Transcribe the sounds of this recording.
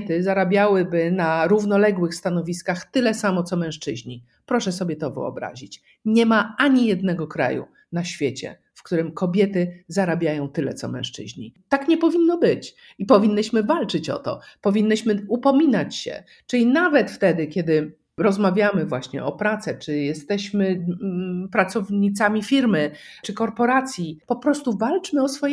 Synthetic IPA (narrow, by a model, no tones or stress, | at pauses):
t̪ɘzaɾabʲjawɘbɘnaɾuvnɔlɛɡwɘxst̪anɔvʲiskaxt̪ɘlɛsamɔt̪sɔmɛ̃ʂt͡ʂɘʑɲi | pɾɔʂɛs̬ɔbʲjɛt̪ɔvɘ̰ɔ̰bɾa̰ʑit͡ɕ | ɲɛmaaɲijɛd̪nɛɡɔkɾa̰jṵ | naɕfʲjet͡ɕɛ̰ | fkt̪uɾɘmkɔbʲjɛt̪ɘzaɾabʲjajɔ̃w̃t̪ɘlɛt̪sɔmɛ̰̃w̃ʂt͡ʂɘ̰ʑɲḭt̪akɲɛpɔvʲinːɔbɘt͡ɕ | ipɔvʲinːɨɕmɘvalt͡ʂɘt͡ɕɔ̰t̪ɔ̰pɔvʲinːɘɕmɘupɔmʲinat͡ɕɕɛ̰ | t͡ʂɘlʲinavɛt̪ft̪ɛd̪ɘkʲɛd̪ɘ | ɾɔzmavʲjamɘvwaɕɲɛ̰ɔpɾat̪sɛt͡ʂɘjɛst̪ɛɕmɘ | pɾat̪sɔvɲit̪samʲifʲiɾmɘt͡ʂɘkɔɾpɔɾat̪sʲjipɔpɾɔst̪uvalt͡ʂmɘɔsfɔj